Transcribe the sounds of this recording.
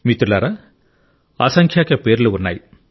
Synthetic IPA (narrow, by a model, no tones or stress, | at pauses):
mit̪ːɾlaːɾɐ | ɐsɐŋkʰjaːkɐpeːɾlɯʊnːɐ̰j